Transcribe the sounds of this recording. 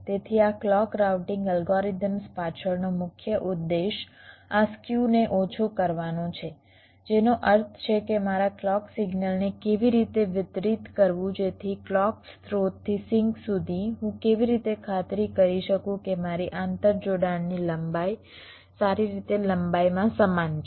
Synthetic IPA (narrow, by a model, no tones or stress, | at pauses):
t̪et̪ʰiaklɔkɾawʈɪ̃ŋɡəlɡɔɾid̪əmspat͡ʃʰəɭnomʊkʰjəʔʊd̪ːeʃaskjuneʔot͡ʃʰokəɾʋanõt͡ʃʰe | d͡ʒenoʔəɾt̪ʰt͡ʃʰekemaɾaklɔksiɡnəlnekeʋiɾit̪eʋɪt̪ɾit̪kəɾʋũd͡ʒet̪ʰiklɔkst̪ɾot̪ʰːisɪŋksud̪ʱiɦũkeʋiɾit̪ekʰat̪ɾikəɾiʃəkũkemaɾiʔãnt̪əɾd͡ʒoɽaɳːiləmbaj | saɾiɾit̪eləmbajmãsəmant͡ʃ